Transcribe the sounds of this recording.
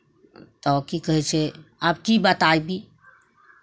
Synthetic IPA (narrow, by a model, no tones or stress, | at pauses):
t̪ɔːkikəɦet͡ʃʰeaːp̚kibat̪aːibʱi